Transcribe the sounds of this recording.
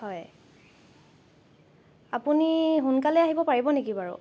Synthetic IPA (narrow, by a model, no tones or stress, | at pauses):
hɔj | apuniɦunkalɛaɦibɔpaɹibɔnekibaɹʊ̰